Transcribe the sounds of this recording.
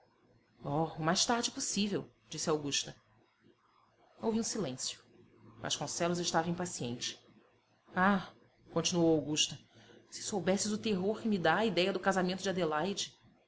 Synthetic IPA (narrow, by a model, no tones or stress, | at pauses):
ɔʊmajʃt̪aɾd͡ʒɪposivew | d͡ʒisɪawɡuʃt̪ɐ | owviũsilẽsjʊ̥ | va̰ʃkõsɛlʊzɪʃt̪avɐĩpasiḛ̃nt͡ʃɪ̥ | a | kõnt͡ʃinuowawɡuʃt̪ɐsɪ̥sowbɛsɪzʊt̪eɦoχkɪmid̪aːid̪ɛjɐd̪ʊkazamẽt̪ʊd͡ʒad̪elajd͡ʒɪ